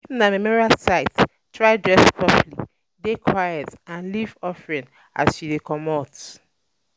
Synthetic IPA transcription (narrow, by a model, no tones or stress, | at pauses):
namemɔɹialsaɪt | tʰɹaɪdɹɛspʰɹɔplḭ | dekʰwajɛtãnlivɔfɹĩn | a̰sʃidekʰɔmɔt